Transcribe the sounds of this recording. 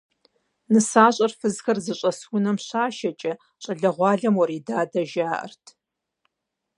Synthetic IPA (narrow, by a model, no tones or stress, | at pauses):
nɨsaːɕʼɐrfɨzxɐrzɨɕʼɐswʊnɐmɕaːʃɐt͡ʃʼɐ | ɕʼɐɮɐʁʷɑːɮɐmwɔɾiːdaːdɐʒaːʔɐ̰rtʰ